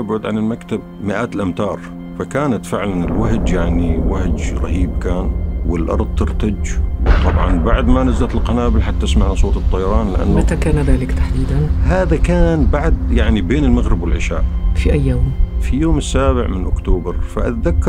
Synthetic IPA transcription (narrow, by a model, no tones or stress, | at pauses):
abʕʊd̪ʕanɪlmakt̪ab | mɪʔaːt̪ɪlʔamt̪ɑːɾˤ | fakaːnat̪fɪʕlanɪlwaɦd͡ʒjaʕniwahd͡ʒɾˤɑ̰hiːb̚kaːnwɪlʔɑ̰ɾˤd̪ˤt̪ɪɾt̪ad͡ʒwt̪ˤɑbʕɑ̰nbaʕd̪manazlat̪ɪlqɑnaːbɪlħat̪ːɪsmaʕnasˤoːt̪ɨt̪ˤːɑjɑɾˤɑːnlɪʔa̰nːmat̪akaːnaðaːlɪkt̪aħd̪iːd̪anhaːðakaːnbaʕd̪jaʕnibeːnɪlmaɣɾɪbwɪlʕɪʃa̰ːʔfiʔajːoːmfijoːmɪsːaːbɪʕmɪnʔʊkt̪oːbɑɾˤfa̰ʔat̪aðakː